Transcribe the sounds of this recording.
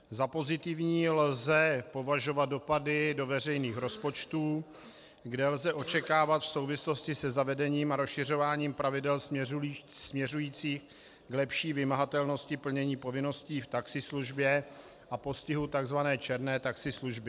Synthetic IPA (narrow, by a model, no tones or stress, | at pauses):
zapo̞zɪt̪ɪvɲiːlzɛpo̞vaʒo̞vat̪̚do̞padɪdo̞vɛrɛjniːxɾo̞spo̞t͡ʃt̪uː | ɡdɛlzɛʔo̞t͡ʃɛkaːvat̪fso̞wvɪslo̞scɪsɛzavɛdɛɲiːmaɾosʃɪr̝o̞vaːɲiːmpɾavɪdɛls | smɲɛr̝ujiːt͡siːx | ɡlɛpʃiːvɪmaɦat̪ɛlno̞scɪpl̩ɲɛɲiːpo̞vɪno̞sciːft̪aksɪsluʒbjɛ | ʔapo̞scɪɦut̪aɡzvanɛːt͡ʃɛɾnɛːt̪aksɪsluʒbɪ